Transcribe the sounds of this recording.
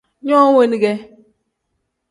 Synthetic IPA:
ɲɔ˦we˦n˦ɡe˦

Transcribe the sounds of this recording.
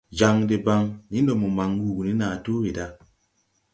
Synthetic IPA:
d͡ʒa˨ŋde˨ba˨ŋni˦ndo˨mo˨ma˨ŋwu˨ɡni˦naː˨to˦we˨da˦

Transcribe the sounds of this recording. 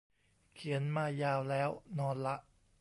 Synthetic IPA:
kʰi˩˦ənmaː˧jaː˧wlɛː˦˥wnɔː˧nla˦˥ʔ

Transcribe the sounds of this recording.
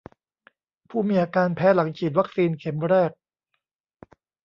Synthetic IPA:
pʰuː˥˩miː˧ʔaː˧kaː˧npʰɛː˦˥la˩˦ŋt͡ɕʰiː˨˩t̪̚wa˦˥k̚siː˧nkʰe˩˦mɾɛː˥˩k̚

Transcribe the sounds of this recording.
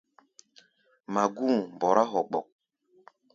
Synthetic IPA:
ma˨ɡu˦˨m˨bɔ˨ɾa˦ɦɔ˨k͡pɔ̰˨k̚

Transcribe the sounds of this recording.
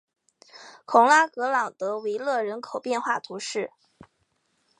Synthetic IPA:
kʰʊ˨˥˩ŋla˥kɤ˧˥lɑ˨˩ŋt̪ɤ˧˥we˧˥ɪlɤ˥˩ɻə˧˥nkʰo˨˩ʊpjɛ˥˧nxwa˥˩t̪ʰu˧˥ʂɻ̩˥˩

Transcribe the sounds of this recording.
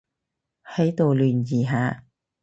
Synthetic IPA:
hɐ˨˥jt̪o˨˧wlyː˨˩njiː˨˩ɦaː˨˧

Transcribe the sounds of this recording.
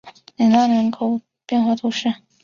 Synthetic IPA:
li˨˩na˥˩ɻə˧˥nkʰo˨˩ʊ | pjɛ˥˧nxwa˥˩t̪ʰu˧˥ʂɻ̩˥˩

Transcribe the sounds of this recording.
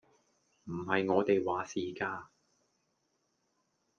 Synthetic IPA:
m̩˨˩hɐ˨jŋɔː˨˧t̪e˨jwaː˨˥siː˨kaː˧

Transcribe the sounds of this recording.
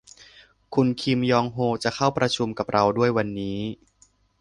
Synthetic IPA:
kʰu˧nkʰi˧mjɔː˧ŋɦoː˧t͡ɕa˨˩kʰa˥˩wpɾa˧t͡ɕʰu˧mka˨˩p̚ɾʔa˧wdu˥˩əjwa˧nːiː˦˥

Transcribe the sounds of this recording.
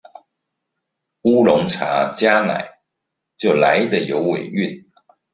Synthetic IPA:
u˦lʊ˧˥ŋʈ͡ʂʰa̰˧˥˦t͡ɕja˥na̰˨˩˦ɪ | t͡ɕjo˥˩ʊla˧˦ɪd̪ə˨jo˧˦ʊwe˨˩ɪy˥˨n

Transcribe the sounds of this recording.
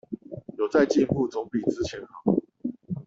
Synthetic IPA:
jo˨˩ʊt͡sa˥˧ɪt͡ɕi˥˧npu˥˨t͡sɔ˧˦ŋpi˨˩t͡sɹ̩˦t͡ɕʰjɛ˧˥nxɑ˨˩˦

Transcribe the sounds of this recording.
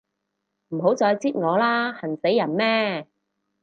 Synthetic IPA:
m̩˨˩ɦo˨˥wt͡sɔː˧jt͡siː˥t̚ŋɔː˨˧laː˥hɐ˨˩nse˨˥jːɐ˨˩nmɛː˥

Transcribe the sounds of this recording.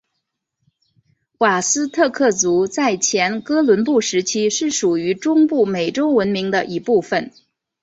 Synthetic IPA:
kwa˨˩sɹ̩˥t̪ʰɤ˥˧kʰɤ˥˩t͡su˧˥t͡sa˥˩ɪt͡ɕʰjɛ˧˥nkɤ˥lwə˧˥npu˥˩ʂɻ̩˧˥t͡ɕʰi˥ʂɻ̩˥˩ʂu˨˩y˧˥ʈ͡ʂʊ˥ŋpu˥˩me˨˩ɪʈ͡ʂo˥ʊwə˧˥nmi˧˥ŋd̪ə˧ʔi˧˥pu˥˩fə˨˩n

